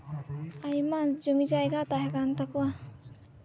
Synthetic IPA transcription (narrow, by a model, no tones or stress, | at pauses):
ajmazumid͡ʒajɡat̪aɦakant̪akwa